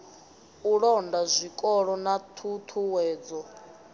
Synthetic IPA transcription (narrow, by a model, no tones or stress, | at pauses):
uɺɔndazʷikʼɔɺɔnatʰut̪ʰuwɛːd͡zɔ